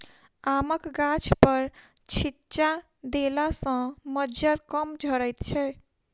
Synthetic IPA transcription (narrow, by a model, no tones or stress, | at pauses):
aməkɡat͡ʃʰpəɾ | t͡ʃʰitt͡ʃa | d̪elasə̃məd͡ʒəɾkəmd͡ʒʱəɾəjt̪t͡ʃʰɛ